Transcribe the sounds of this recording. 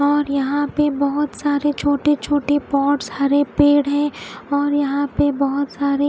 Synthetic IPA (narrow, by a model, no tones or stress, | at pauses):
ɔːɾjɐɦãpebɔɦʊt̪saːɾet͡ʃʰoːʈet͡ʃʰoːʈepɔːʈshaːɾepeːɽɦɛ̃ɔːɾjɐɦãpebɔɦʊt̪saːɾe